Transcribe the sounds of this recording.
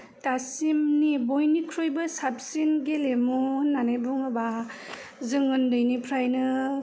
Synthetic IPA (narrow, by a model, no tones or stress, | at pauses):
tasimnibojnikʰɾujbɯsap̚sinɡelemunanajbuŋɯba | zɯŋɯndɯjnipʰɾajnɯ